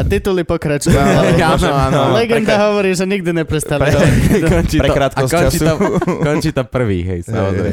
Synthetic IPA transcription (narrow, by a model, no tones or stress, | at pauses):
at̪it̪ulipɔkɾat͡ʃuuanɔanɔlɛɡnd̪aɦɔʋɔɾiːʒɛɲiɡd̪iɲɛpɾɛst̪aliɔkɔɲt͡ʃiːɾɛkɾaːt̪kɔsɔɲt͡ʃiːakɔɲt͡ʃiːt̪ampr̩ʋḭːɦɛ̰jsa̰mɔɾɛ̰ɛ